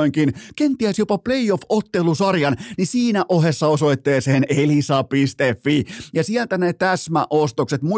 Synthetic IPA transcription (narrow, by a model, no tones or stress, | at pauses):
iŋkinkent̪iæsjopɑpleiofot̪ːelusɑrjɑnnisiːnæʔohesːɑosoit̪ːeːseːnelisɑpist̪efːijɑsielt̪ænet̪æsmæ̰ʔost̪okset̪mu